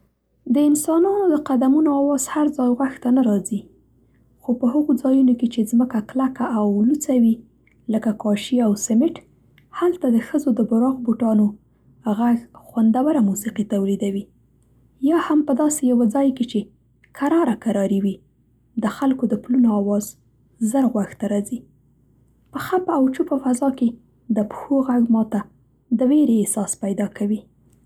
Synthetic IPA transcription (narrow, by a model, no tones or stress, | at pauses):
d̪əɪnsɑnɑnod̪əqad̪amunoawɑz̥haɾd͡zɑjɣwaxt̪anaɾɑzi | xopəɦəɣod͡zɑjunoket͡ʃezməkaklakaʔːwlut͡sawi | ləkakɑʃiawsɪmɪʈ | halt̪ad̪əxəzod̪əbʊɾɑɣboʈɑno | ɣaɡxwand̪awaɾamusiqit̪awlid̪awi | jɑhampəd̪ɑsejawad͡zɑjket͡ʃe | kʰaɾɑɾakaɾɑɾiwi | d̪əxalkod̪əplunoɑwɑz | zəɾɣwaxt̪aɾɑzi | pəxapawt͡ʃupəfazɑke | d̪əpxoɣaɡmɑt̪a | d̪əweɾeːsɑspajd̪ɑkʰawi